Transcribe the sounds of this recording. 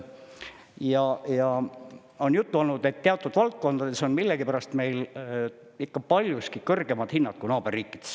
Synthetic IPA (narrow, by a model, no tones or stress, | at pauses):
jɑjɑ | o̞njut̪ːuo̞lnud̪e̞t̪ːeɑot̪ːˑud̪̥vɑlt̪̚ko̞nd̪̥ɑd̪e̞so̞nmilːeɡipæɾɑst̪me̞jl | ikːɑpɑlʲjuskikɤrɡ̥e̞mɑd̪̥hinːɑt̪̚kunɑːb̥erːiːkˑːid̪̥e̥s